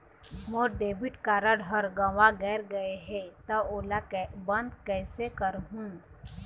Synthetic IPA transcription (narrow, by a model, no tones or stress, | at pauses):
moɾɖeːbiʈkaɾəɽʱɦəɾɡəʋaɡɛːɾɡəeɦɛt̪əoːlakbə̃nd̪kɛːsekəɾɦũ